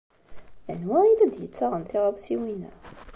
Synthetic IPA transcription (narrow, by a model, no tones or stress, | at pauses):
æ̰nwæilæd̪jə̰t͡sːaʁənθɪʁəvsiwinæ̰